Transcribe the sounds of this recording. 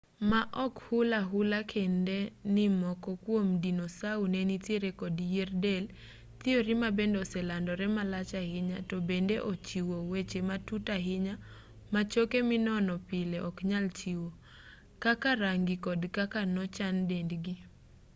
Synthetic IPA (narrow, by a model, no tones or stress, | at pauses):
maʔɔkhʊlaɦʊlakʰendenɪmɔkɔkwomdinosaunenitjeɾekɔdjerdel | t̪ɪoɾimabendɔsɛlandɔɾɛmalat͡ʃahɪɲatɔbendeʔot͡ʃiwowet͡ʃematutaɦɪɲa | mat͡ʃokemɪnɔnɔpɪleʔɔkɲalt͡ʃiwo | kakaɾaŋɡɪkɔdkakanɔt͡ʃandendɡi